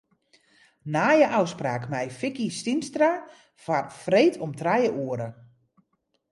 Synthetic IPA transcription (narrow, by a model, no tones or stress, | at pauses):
naːjəʔawspraːkmɛjfɪkistinstra | farfrejtʰɔmtrajəʔuəɾə